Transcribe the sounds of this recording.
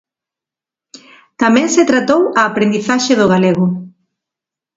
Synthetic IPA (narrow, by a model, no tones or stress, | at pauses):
t̪amɛ̃ŋset̪ɾat̪owaːpɾend̪iθaʃeðʊɣ̞aleɣ̞ʊ